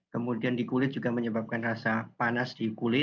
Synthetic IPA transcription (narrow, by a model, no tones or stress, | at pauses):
kəmudiandikulɪt̪̚d͡ʒ̥uɡaməɲəbap̚kanrasapanasd̥ikulɪt̪